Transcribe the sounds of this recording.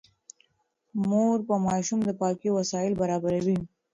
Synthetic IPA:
moɾpəmɑʃumd̪əpɑkiwasɑɪlbaɾɑbaɾawi

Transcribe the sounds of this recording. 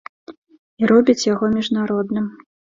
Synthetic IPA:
iɾɔbʲit͡sʲjaɣɔmʲiʐnaɾɔd̪nɨm

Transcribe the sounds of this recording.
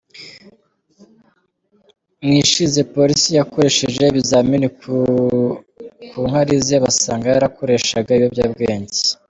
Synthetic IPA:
mŋiʃize̞po̞ɾisijako̞ɾe̞ʃeʒe̞βizamini | kuŋhaɾizeβasaːŋɡajaɾako̞ɾe̞ʃaɡaijobjaːbɡe̞ːnze̥

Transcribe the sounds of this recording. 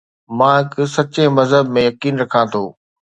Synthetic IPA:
mãɪkɪsɐt͡ɕemɐzɦəbmẽjɐkiːnɾɐkʰãt̪ʰoː

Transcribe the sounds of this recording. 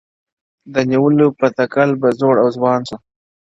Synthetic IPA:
d̪əniwəlopət̪akalbazoːɽawzwɑːnsu

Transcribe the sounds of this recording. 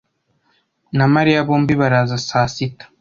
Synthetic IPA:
namaɾijaβoːmbiβaɾazasaːsitḁ

